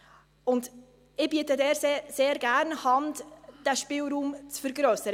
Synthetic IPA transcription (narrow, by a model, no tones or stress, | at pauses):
ʊnd | ɪb̥iːətədɛːɾseseːɾɡæɾnhɑntd̥æʃpɪːlɾuːmt͡sfəɾɡɾœsəɾə